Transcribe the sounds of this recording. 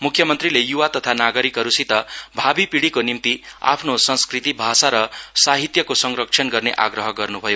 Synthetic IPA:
mukʰːjʌmʌnt̪rilejuwat̪ʌt̪ʰanaɡʌɾikɦʌɾusit̪ʌbʱabipiɽikonimt̪ia̰pʰnosʌnskrit̪ibʱasaɾʌsaɦit̪jʌkosʌŋrʌk̚t͡sʰʌnɡʌrneʔaɡrʌɦʌɡʌrnubʱʌjo

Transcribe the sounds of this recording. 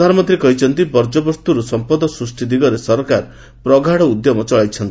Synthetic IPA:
d̪ʱaɾɔmɔnt̪ɾikɔɦit͡ʃʰɔnt̪ibɔɾd͡ʒɔbɔst̪uɾusɔmpɔd̪ɔsɾusʈid̪iɡɔɾesɔɾkaɾ | pɾɔɡʱaɽɔud̪jɔmɔt͡ʃɔɭajt͡ʃʰɔnt̪ii

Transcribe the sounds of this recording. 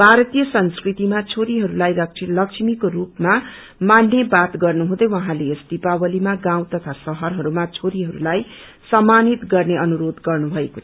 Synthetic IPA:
bʱaɾʌt̪ijʌsʌnskrit̪imat͡sʰoɾiɦʌɾulajlʌlʌkʂʰimikoɾupma | manːjebat̪ɡʌrnuɦũd̪ʌjwʌɦãleesd̪ipawʌlimaɡãw̃t̪ʌt̪ʰasʌɦʌrɦʌɾumat͡sʰoɾiɦʌɾṵlaj | sʌmːanit̪ɡʌrneʔʌnuɾod̪ɡʌrnubʱʌekot̪ʰ

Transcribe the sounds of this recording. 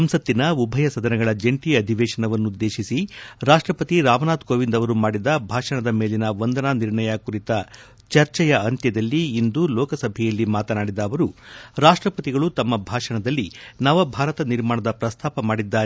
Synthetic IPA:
ɐmsɐt̪ːinɐubʱɐjɐsɐd̪ɐnɛɡɐɭɐd͡ʒeɳʈiːɐd̪ʱiʋɛːʂɐɳɐʋɐnːud̪ːe̞ːʃisiɾaːʂʈɾɐpɐt̪iɾaːʋɐnaːt̪koːʋind̪ɐʋɐɾumaːɽid̪ɐbʱaːʂɐɳɐd̪ɐme̞ːlinɐʋɐnd̪ɐnaːniɾɳɐjɐkuɾit̪ɐ | t͡ʃɐɾt͡ʃɛjɐɐnt̪jɐd̪ɐlːiːnd̪ulɔːkɐsɐbʱɛjɐlːimaːt̪ɐnaːɽid̪ɐːʋɐɾuɾaːʂʈɾɐpɐt̪iɡɐɭut̪ɐmːɐbʱaːʂɐɳɐd̪ɐlːinaːʋɐbʱaːɾɐt̪ɐniɾmaːɳɐd̪ɐpɾɐst̪ʰaːpɐmaːɽid̪ːaːɾ

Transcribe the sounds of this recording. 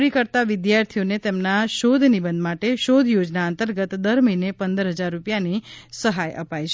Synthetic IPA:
ɾikəɾt̪aʋɪd̪jaɾt̪ʰijonet̪emnaʃod̪ʱnibə̃nd̪maʈeʃod̪ʱjod͡ʒnaənt̪əɾɡət̪d̪əɾməinepənd̪əɾɦəd͡ʒaɾːupjanisəɦajʔə̰pajt͡ʃʰ

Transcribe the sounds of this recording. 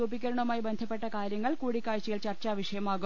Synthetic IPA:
uːbikʲːɐɾɐɳɐmaːjibend̪ʱɐpːeʈːɐkaːɾjɐŋːɐɭkuːɽikːaːɻt͡ɕːijiɭt͡ɕɐrt͡ɕaːʋɐʂɐjɐmaːɣu

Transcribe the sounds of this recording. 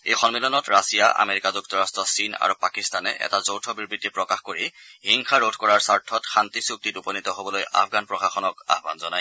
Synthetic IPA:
ejxɔnmilɔnɔtɹasijaʔa̰meɹikazuk̚tɔɹastɹɔsina̰ɹupakistanɛʔɛ̰tazowtʰɔbiɹbitipɹɔkaxkoɹihiŋxaɹodʱkɔɹaɹsaɹtʰɔtxantisuk̚titupɔnitɔɦobɔloja̰fʰɡanpɹɔxaxɔnɔka̰ɦbanzɔnaj

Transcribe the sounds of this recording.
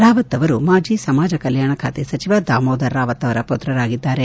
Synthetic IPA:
ɾaːʋɐt̪ːɐʋɐɾumaːd͡ʒisɐmaːd͡ʒɐkɐljaːɳɐkʰaːt̪esɐt͡ʃiʋad̪aːmoːd̪ɐɾːaːʋɐt̪ːɐʋɐɾɐpot̪ɾɐɾaːɡid̪ːaːɾe

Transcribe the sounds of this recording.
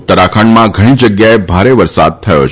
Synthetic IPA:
t̪əɾakʰaɳmãɡʱəɽ̃ĩd͡ʒəɡjaebʱaɾeʋəɾsa̰d̪̚t̪ʰəjo̰t͡ʃʰ

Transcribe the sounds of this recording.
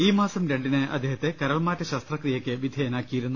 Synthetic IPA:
iːmaːsɐmɾeɳɖinɨʔɐ̰d̪ːehɐt̪ːe̞kɐɾɐɭmaːtːɐɕɐst̪rɐkrijɐkʲːɨʋid̪ʱjɐjɐnaːkːijiɾunːu

